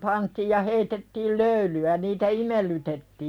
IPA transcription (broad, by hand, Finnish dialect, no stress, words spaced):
pɑntiːj jɑ heitetːiːl løylyæ niːtæ imelːytetːiː siælːæ